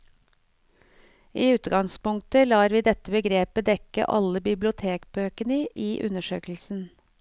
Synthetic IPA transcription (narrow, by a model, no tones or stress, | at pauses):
ʔiːʉːt̪ɡɑŋspʊŋk̚t̪əlɑːɾʋiːd̪ɛt̪əbəɡɾeːpəd̪ɛkə̰ʔɑ̰ləbɪblʊt̪ʰeːkbøːkənəʔiːʔʉ̰nəʃøːkl̩sn̩